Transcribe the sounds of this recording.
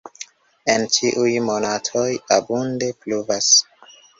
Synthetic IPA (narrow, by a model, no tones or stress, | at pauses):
ent͡ʃiʔujmo̞natʰo̞jabunde̞pluvas